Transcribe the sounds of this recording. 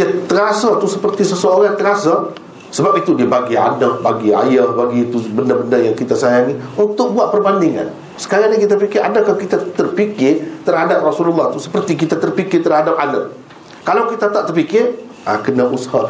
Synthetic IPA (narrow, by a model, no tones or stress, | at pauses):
jat̪əɾasat̪usəpərt̪isəsəoɾaŋt̪əɾasa | səbap̚it̪udiəbaɡia̰nəhbaɡia̰jəhbaɡiːt̪ubəndəbəndəjaŋkit̪asajaŋiunt̪ʊk̚buat̪̚pərbandɪŋa̰n | sə̥kaɾaɲakit̪̬apikɪɾʔadakalkit̪at̪ərpikɪrt̪ərɦadap̚rasululːɑht̪usə̥pərt̪ik̬it̪at̪ərpikɪrt̪ərhadap̚ana | kalawkit̪at̪aʔt̪ərpikɪr | a̰kənaʔusha